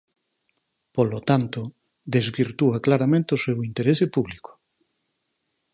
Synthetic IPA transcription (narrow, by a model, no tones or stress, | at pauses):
polot̪ant̪o | d̪ezβiɾt̪uaklaɾamẽnt̪eosewint̪eɾesepuβliko̥